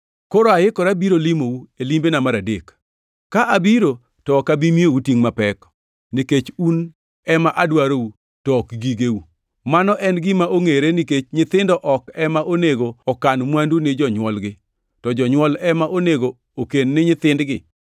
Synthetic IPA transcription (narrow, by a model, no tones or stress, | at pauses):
koɾoajɪkɔɾabiɾolimowuelimbenamaɾadek | kːaʔabiɾo | tɔːkabimiowutiŋmapɛk | nɪket͡ʃun | ɛmaʔadwaɾou | tɔkɡiɡeu | manɔʔɛnɡɪmaʔoŋeɾenɪket͡ʃɲɪt̪ɪndɔʔɔkɛmaʔoneɡoɔkanmwandunɪd͡ʒɔɲwɔlɡɪ | tɔd͡ʒɔɲwɔlɛmaʔoneɡo | okenːɪɲɪt̪ɪndɡɪ